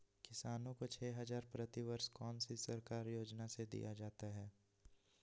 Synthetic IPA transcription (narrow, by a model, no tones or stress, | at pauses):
kɪsaːnõkot͡ʃʰɛːɦɐzaːɾpɾɐt̪iʋəɾskɔːnsisɐɾkaːɾjoːd͡ʒnased̪ḭjad͡ʒaːt̪aɦɛː